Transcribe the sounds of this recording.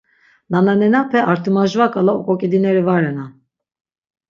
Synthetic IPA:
nananɛnapʰɛʔaɾt̪ʰɯmaʒvakʼalaɔkʼɔkʼid̪inɛɾivaɾɛna

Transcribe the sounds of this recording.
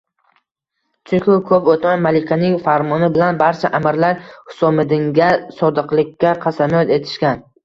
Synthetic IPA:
t͡ʃʰʊkʰʲʊkʰɵpot̪mamalɪkʲʰanɪŋfaɾmɒnɪbɪlanbaɾt͡ʃʰaʔamɪɾlaɾhʊ̥sɒmɪd̪ɪŋɡʲasɒd̪ɨqlˠɪkʲːaqʰɑsamjɒt̪e̞t̪ʰɪ̥ʃkʲan

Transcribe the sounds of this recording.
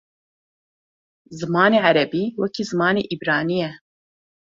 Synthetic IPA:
zɨmɑːneːʕaɾɛbiːwɛkʰiːzɨmɑːneːʔibɾɑːnijɛ

